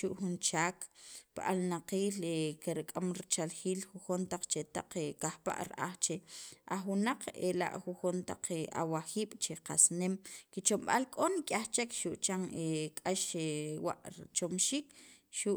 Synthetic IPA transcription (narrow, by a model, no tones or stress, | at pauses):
ʃuʔxunt͡ʃaːkpaʔalnaqiːlekeɾikʼamɾit͡ʃalxiːlxuxunt̪aq͡χt͡ʃet̪aq͡χekaxpa̰ʔɾʔa̰χt͡ʃeʔaχwinaq͡χḛla̰ʔxuxont̪a̰q͡χea̰waxiːɓ̥t͡ʃeqa̰snemkit͡ʃomɓalkʼonikʼaχt͡ʃekʃuʔt͡ʃaŋekʼaʃewa̰ʔt͡ʃomʃiːkʃuʔ